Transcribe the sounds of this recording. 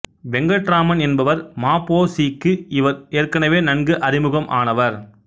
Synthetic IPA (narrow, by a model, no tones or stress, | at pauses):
ʋɛŋɡɐʈɾaːmɐnɛnbɐʋɐɾmaːpːoːsiːkːɯɪʋɐɾeːrkɐɳɐʋeːnɐnɡɯʔɐɾɪmɯɣɐmʔa̰ːnɐʋɐɾ